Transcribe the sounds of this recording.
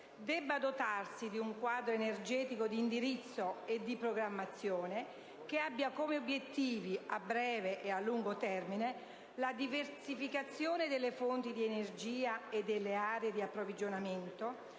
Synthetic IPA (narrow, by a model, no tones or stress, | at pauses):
d̪ɛbːad̪ot̪arsid̪iuŋkwaːd̪ɾoenerd͡ʒɛːt̪ikod̪iːnd̪iɾit̪sːoed̪ːipɾoɡɾamːat̪sːjoːne | k̟eabːjakomeobːjet̪ːiːviabɾɛːveʔealːuŋɡot̪ɛrmine | lad̪iversifikat̪sːjoːned̪elːefont̪id̪ienerd͡ʒiːaed̪ːelːeaːɾeed̪iapːɾovid͡ʒonament̪o